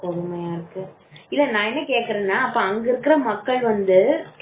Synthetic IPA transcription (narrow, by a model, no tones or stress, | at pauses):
kɔðɯmɐjaːɪɾɯkːɯ | ɪlːɐnãːɛnːɐkeːʈkɪɾẽːnːaːɐpːoɐŋɡɐɪɾɯkːɪɾɐmɐkːɐɭʋɐnd̪ɯ